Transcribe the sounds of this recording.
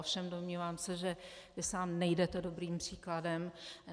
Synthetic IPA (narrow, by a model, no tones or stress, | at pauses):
ofʃɛmdomɲiːvaːmsɛʒɛvɪsaːmnɛjdɛt̪ɛdo̞bɾiːmpr̝̥iːkladɛm